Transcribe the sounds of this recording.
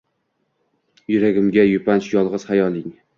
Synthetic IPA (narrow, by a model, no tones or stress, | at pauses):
jʊɾaɡʲɪmɡʲajʊpʰant͡ʃjɒlˠʁɨz̥hajɒlˠɪŋ